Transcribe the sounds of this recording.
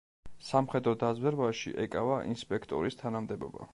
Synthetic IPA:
samχɛd̪ɾɔd̪azwɛɾvaʃḭʔɛkʼavaʔinspʼɛkʰt̪ʼɔɾist̪ʰanamd̪ɛbɔ̰ba̰

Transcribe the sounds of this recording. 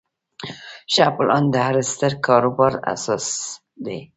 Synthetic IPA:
ʃaplʔɑnd̪əhaɾəst̪əɾkɑɾobɑɾa̰sɑs | d̪e

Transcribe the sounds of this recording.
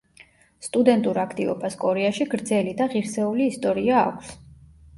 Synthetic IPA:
st̪ʼud̪ɛnt̪ʼuɾakʰt̪ʼivɔ̰baskʼɔɾɛaʃiɡɾd̪zɛlid̪aʁiɾsɛuliːst̪ʼɔɾia̰ːkʷʰs

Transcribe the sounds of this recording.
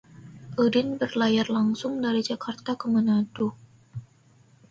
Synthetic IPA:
ʔədɪnbərlajarlaŋsʊŋdaɾid͡ʒakʰart̪akəmənatu

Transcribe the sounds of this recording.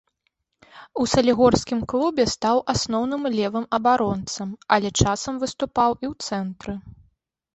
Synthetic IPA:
usɐlʲiɣɔrskʲimklˠubʲɛst̪awʔasnɔwnɨmlʲɛvɨmɐbaɾɔnt̪sɐmɐlʲɛt͡ʂasɐmvɨst̪upawiwt̪sɛnt̪ɾɨ

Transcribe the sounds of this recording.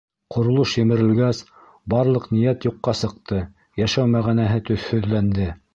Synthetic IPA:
qʰŏɾŏlˠoʃjɘ̆mɘ̆ɾɘ̆lɡæs | bɑɾlˠɤqnĭjæt̪juqːɑsɤ̆q̚t̪ɤ | jæʃæwmæʁænæɦɘt̪ɵ̆θhɵðlænd̪ɘ

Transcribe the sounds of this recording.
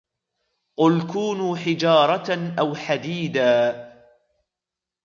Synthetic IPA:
qʊlkuːnuːħɪd͡ʒɑːɾˤɑʔawħad̪iːd̪aː

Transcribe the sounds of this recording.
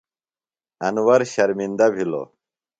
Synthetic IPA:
ɐnwɐɾɕɐɾmind̪ɐbʱilo̰

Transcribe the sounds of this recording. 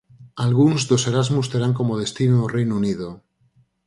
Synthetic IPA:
alɣ̞unzðose̞ɾazmust̪eɾaŋko̞moð̞e̞st̪inorejnunið̞o

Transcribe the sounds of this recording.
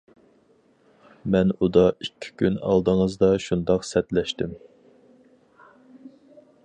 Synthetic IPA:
mɛnud̪ɑikʲʰːi̥kʲynɑ̰lˠd̪əŋəzd̪ɑʃund̪ɑqsɛt̪lɛʃt̪ɪm

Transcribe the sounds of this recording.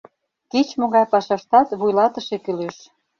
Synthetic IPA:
kit͡ɕmoɣɑjpɑʃɑʃt̪ɑt̪βujlɑt̪ə̆ʃekyleʃ

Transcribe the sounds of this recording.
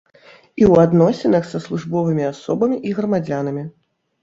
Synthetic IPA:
iwad̪nɔsʲinɐxsɐslˠuʐbɔvɨmʲiasɔbɐmʲiʔiɣɾɐmad͡zʲanɐmʲi

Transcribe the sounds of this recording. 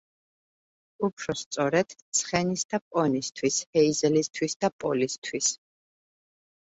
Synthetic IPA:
upʰɾɔst̪sʼɔɾɛd̪̥t̪sʰχɛnisd̪apʼɔnist̪ʰwishɛizɛlist̪ʰwisd̪̥apʼɔlist̪ʰwis

